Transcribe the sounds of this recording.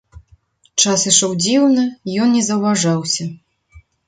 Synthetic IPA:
t͡ʂasɨʂɔwd͡zʲiwnɨjɔnnʲɛzɐwvaʐawsʲɐ

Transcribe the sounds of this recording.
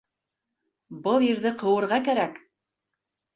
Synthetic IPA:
bɤlˠjɘ̆ɾðɘqɤ̆wɤ̆ɾʁɑkæɾæk

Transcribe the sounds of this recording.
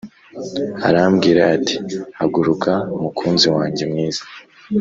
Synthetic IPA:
aɾamɡiːɾeati̥aɡuɾukʰaumukʰuːnziwaːɲɟemŋiːz̥ḁ

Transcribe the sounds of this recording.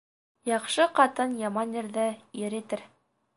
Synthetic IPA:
jɑqʃɤqɑt̪ɤnjɑmɑnjĭɾðɘiɾit̪ɘɾ

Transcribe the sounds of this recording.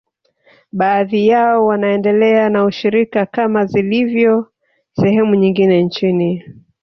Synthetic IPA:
ɓaːðijaɔwanaɛndɛlɛanauʃiɾikakamazilivjɔ | sɛhɛmuɲiŋɡinɛnt͡ʃini

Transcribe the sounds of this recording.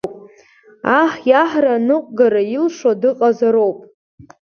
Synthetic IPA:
pʼ | aħjaħranɨqʷʼɡaɾailʂadɨqʼazaɾowpʼ

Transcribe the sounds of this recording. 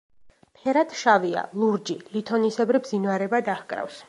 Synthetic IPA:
pʰɛɾat̪ʰʃavia̰lˠuɾd͡ʒilit̪ʰɔnisɛbɾibzinvaɾɛbad̪ahkʼɾa̰fs

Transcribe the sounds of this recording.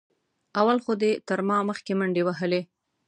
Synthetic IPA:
awalxod̪et̪əɾmɑməxkeməɳɖewaɦəle

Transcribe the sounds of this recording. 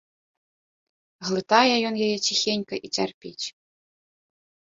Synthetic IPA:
ɣlˠɨt̪ajɛjɔnjajɛt͡sʲixʲenʲkɐʔit͡sʲarpʲet͡sʲ

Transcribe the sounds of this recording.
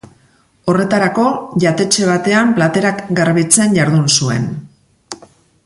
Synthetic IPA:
o̞re̞t̪aɾako̞ʝat̪e̞t͡ʃe̞β̞at̪e̞amplat̪e̞ɾakɡaɾβit͡se̞nʝaɾðunsue̞̰n

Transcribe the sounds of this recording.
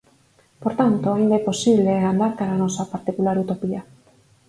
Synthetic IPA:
poɾt̪ant̪oaind̪aeposiβleand̪aɾkaɾanɔsapaɾt̪ikulaɾut̪opia

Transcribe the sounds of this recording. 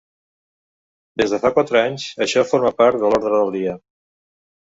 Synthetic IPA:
d̪ezðəfakwat̪ɾəaɲzəʃɔfoɾmapaɾt̪d̪əlɔɾðɾəðəlˠd̪iə

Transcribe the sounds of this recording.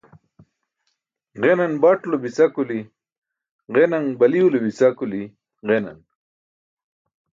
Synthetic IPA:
ʁenanbaʈlobisakuli | ʁenaŋbɐliwulobisakuli | ʁena̰n

